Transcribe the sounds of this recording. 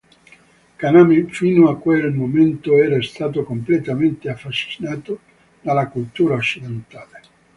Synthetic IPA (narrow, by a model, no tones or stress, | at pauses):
kanamifinoakːwelmoment̪oɛːɾast̪aːt̪̬okomplet̪ament̪eafːaʃːi̥naːt̪o | d̪̥alakult̪uːɾaot͡ʃːid̪ent̪aːle